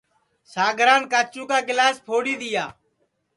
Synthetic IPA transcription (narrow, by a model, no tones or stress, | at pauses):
saːɡʱɾaːnkaːt͡ʃũːkaːɡɪlaːspʰoːɽiːd̪ɪjaː